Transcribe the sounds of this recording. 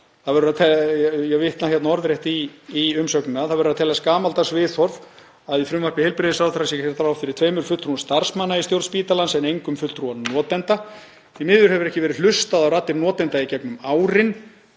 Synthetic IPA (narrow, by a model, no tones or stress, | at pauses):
θaðvɛɾʏɾaðt̪ʰɛjɛɣvɪht̪nahjɛt̪naɔɾðɾjɛht̪iːʏmsœknɪnaθaðvɛɾʏɾaðt̪ʰɛːlaskaːmalt̪asvɪːθɔɾv̥ | aðifɾʏmvarkvɪhejlpɾɪðɪsaɾwθaɾasjɛhɛɾt̪aɾawfɪɾɪɾ̥t̪ʰveːjmʏɾ̥fʏlt̪ːɾuanst̪aɾ̥smaːnːaist̪jowɾt̪spiːt̪alansɛnejŋkʏmfʏlt̪ɾuanɔːt̪ɛnt̪a | θimɪːðʏɾhɛvʏɾɛhcɪvɛːɾɪl̥ʏst̪aðawraːt̪ːɪɾnɔːt̪ɛnt̪aicɛknʏmaːwɾɪn